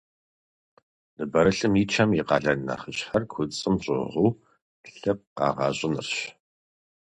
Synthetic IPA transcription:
nɨbɐɾɨɬɨmiːt͡ʃʰɐmiqɑːɮɐnna̰χəɕʼħɐrkʷʰʊt͡sʼɨmɕʼʊ̰ʁʷʊː | ɬɐp̚qɑ̰ːʁɑ̰ːɕʼɪnɨ̰rɕ

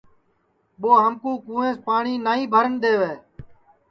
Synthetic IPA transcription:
ɓoːɦəmkũːkũːẽːspaːɳiːnaːĩːbʱəɾənd̪eːʋeː

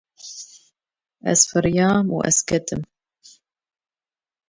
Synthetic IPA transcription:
ʔæ̰sfɨɾjaːmw̰ʔa̰skat̪ʰɪm

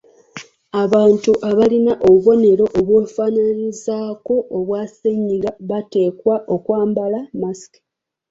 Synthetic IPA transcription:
aβaːntuʔaβalinaʔo̞βuβo̞ne̞ɾo̞ʔoβwoːfaːnanizaːko̞ʔːβwaːseɲːiɡaβate̞ːkwaʔo̞kwaːmbalamasi̥ki̥

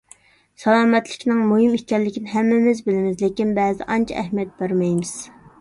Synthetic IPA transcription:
sɑlˠɑːmɛt̪lɪkʲnɪŋmuɦɨmit͡ʃʲɛlːɪkʲinɪɦɛmːɪmɪzbɪlɪmɪzlekʲinbɛːzɪ̰ʔɑnt͡ʃʰɑ̰ʔɛhmijɛt̪̚bɑɾmɛjmɪz̥

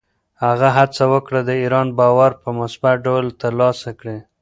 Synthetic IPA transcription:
haɣaɦat͡sawəkɽad̪əiɾɑnbɑwaɾpəmʊsbat̪ɖawəlt̪əɾlɑsakɽe

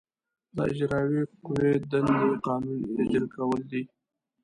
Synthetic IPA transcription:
d̪ə̰ɪ̰d͡ʒɾɑwiqʊwed̪and̪eqɑnɪnjad͡ʒəlkawəld̪i

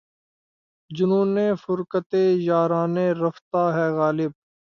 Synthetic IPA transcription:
d͡ʒʊnũːneːfʊɾkət̪eːjaːɾaːnẽːɾɐft̪aːɦɛːɣaːlɪb̚

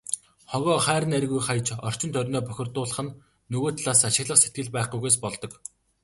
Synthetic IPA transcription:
χɔɣɔːχæːɾɘ̆næɾɣujχaj̆t͡ɕɔ̰r̥t͡ɕɪ̆nt̪ʰœɾʲnɔːpœxʲɪ̆rt̪ʊːɮə̆χə̆nː | ɵɣoːt̪ʰɮaːsaʃɪ̆ɣɮə̆χset̪̚ɡɘ̆ɮpæːχɡujɣeːs̬pɔɮt̪ɞ̆k

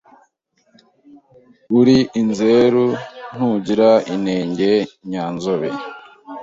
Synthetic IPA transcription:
uɾiʔinzeɾun̥huɟiɾaineːɲɟe̞ɲaːnzoβe

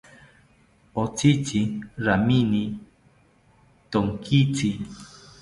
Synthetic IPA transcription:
ot͡sit͡siɾamini | t̪oŋkʰit͡si

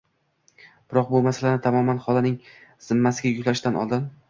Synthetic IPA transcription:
b̥ɪɾɒq̚bʊmasalanɪt̪ʰamɒmanχɒlanɪŋz̥ɪmːasɪɡʲajʊkʲlaɪʃd̪anʔɒ̰lˠd̪ɪn

